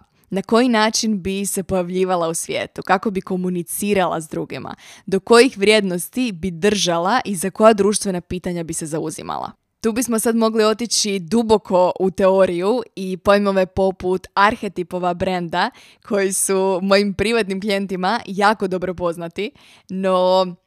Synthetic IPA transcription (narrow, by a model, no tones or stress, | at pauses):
nako̞jinaːt͡ʃinbise̞po̞jaʋʎiːʋalˠausʋje̞̰ːt̪ukako̞biko̞munit̪siːɾalˠa̰zd̪ɾuːɡḭma̰d̪o̞ko̞jixʋɾʲje̞ːd̪no̞st̪ibid̪r̩ʒalaʔizako̞jad̪ɾuːʃt̪ʋe̞napiːt̪aɲabise̞zauzḭma̰lˠa̰ | t̪uːbismo̞sad̪mo̞ɡlio̞t̪it͡ɕid̪ubo̞kʰo̞ʔut̪e̞o̞ɾijuipojmoʋe̞po̞put̪aɾxe̞t̪ipo̞ʋabɾend̪a | kʰo̞jisumo̞jimpɾiʋat̪nimklije̞nt̪imajaːko̞d̪o̞bɾo̞po̞znat̪i | no